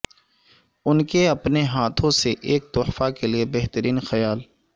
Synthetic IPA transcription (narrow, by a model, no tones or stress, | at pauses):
ʊnkeɐpneɦaːt̪ʰõseʔeːk̚t̪ʊħfakeliebɛɦt̪əɾiːnxɐjaːl